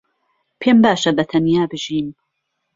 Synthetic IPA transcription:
pʰeːmbaːʃɐbɐt̪ʰɐnjaːbɨʒiːn

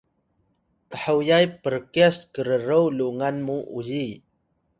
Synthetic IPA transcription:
təħəwjajpərkiaskəɾəɾəwluŋanmuʔuji

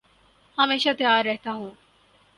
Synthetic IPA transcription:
həmeːʃat̪jaːɾːɛɦt̪aɦũː

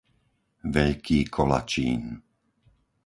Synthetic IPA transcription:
ʋɛʎkʰiːkʰɔla̰t͡ʃiːn

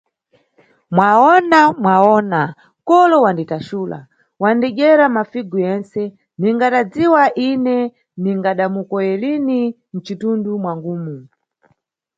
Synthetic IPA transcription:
mwaɔnamwaɔna | kɔlɔwanditaʃuːla̰ | wandɛɡɛɾamafiɡujɛnsɛ | niŋɡatad͡ziwaʔinɛ | niŋɡaɗamukɔjɛlini | n̩t͡ʃitundumwaŋɡuːmu

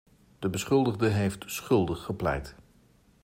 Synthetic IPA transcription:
d̥əbəsχɵlˠdəχdəɦejftsχɵlˠdəχːəplɛ̰jt

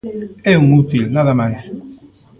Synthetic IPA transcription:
ɛuŋut̪ilnaðamajs

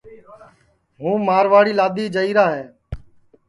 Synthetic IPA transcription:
ɦũːmaːɾʋaːɽiːlaːd̪iːd͡ʒəiːɾaːɦɛː

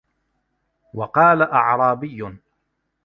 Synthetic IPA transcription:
wɑqɑːlaʔɑʕɾˤɑːbɪjːʊ

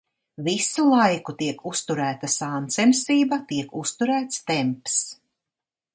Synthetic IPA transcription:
visulˠajkut̪iɛkʰust̪uɾæːt̪asaːnt̪sɛmsiːbɐt̪iɛkust̪uɾæːt̪st̪ɛmps

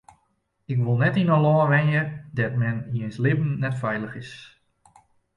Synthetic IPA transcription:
ɪkʋolˠnɛtinəlɔːʋɛnjədɛtmɛniejnslɪbn̩nɛtfɛjləxɪs

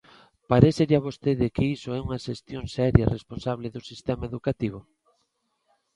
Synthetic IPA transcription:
paɾeseɾaβost̪eðɪkɪisoɛuŋɐʃest̪joŋsɛɾjɐ̰responsaβlɪðʊsist̪ɛmaeðukat̪iβʊ

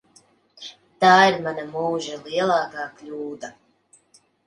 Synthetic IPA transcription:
t̪aːiɾmanamuːʒaliɛlˠaːkaːklʲuːd̪a

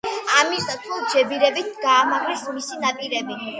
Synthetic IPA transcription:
amisd̪at̪sʰulˠd͡ʒɛbiɾɛbit̪̚ʰɡaːmaɡlismisinapʼiɾɛbi

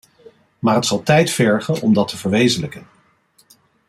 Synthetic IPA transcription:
maːrɦətsɑlˠtɛjtfɛɹχənɔmdɑtʰəvəɹʋejzənləkən

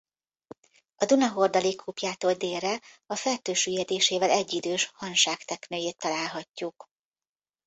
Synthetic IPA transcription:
ɒd̪unɒɦord̪ɒlikʰːuːpjaːt̪oːld̪eːrrɛɒfɛrt̪øːʃyjɛd̪eːʃeːvɛlɛɟːid̪øːʃhɒnʃaːkt̪ɛknøːjeːt̪ːɒlaːlɦɒcːuk

